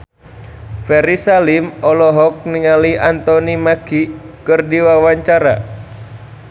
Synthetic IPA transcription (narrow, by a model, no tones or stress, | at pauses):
fɛɾisalimɔlɔɦɔk̚niŋaliʔant̪ɔnimaɡ̥ikɨrdiwawaɲt͡ʃaɾa̰